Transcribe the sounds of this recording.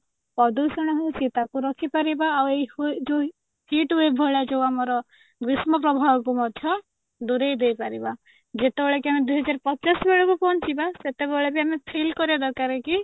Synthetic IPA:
pɔd̪usɔɽ̃ɔɦɔsit̪akuɾɔkʰipaɾibaːwed͡ʒo | hiʈwebʱɔɭad͡ʒewamɔɾɔ | ɡɾismɔpɾɔbʱawɔkumɔd̪ʱjɔ | d̪uɾejd̪ejpaɾiba | d͡ʒet̪ebɔɭekiamed̪ujɦɔd͡ʒaɾpɔt͡ʃasbeɭɔkupɔnt͡ʃʰibaset̪ebeɭek̬iamepʰelkɔɾiad̪ɔkaɾeki

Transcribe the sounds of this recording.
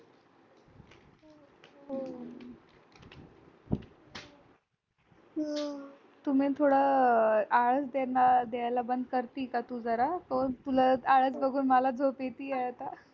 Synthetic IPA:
t̪um̤iːt̪ʰoɽə | aɭəsd̪enːad̪eajlabənd̪̚ʱkəɾt̪iːkat̪ud͡zəɾakot̪ulaaɭət͡sbəɡuːnməlad͡zʱopet̪iːɛat̪a

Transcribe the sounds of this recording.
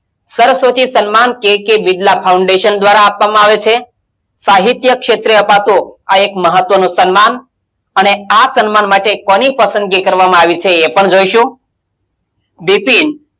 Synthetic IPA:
səɾəsʋot̪isənmankekebiɖlapʰauɳɖeʃənd̪ʋaɾaːpʋamãaʋet͡ʃʰe | saɦit̪jəkʃet̪ɾeəpat̪uaekməɦət̪ʋənũsənman | əneasənmanmaʈekɔnipəsə̃nd̪ɡekəɾʋamãaʋit͡ʃʰeːpəɳd͡ʒoiʃũ | ɖ̪ipin

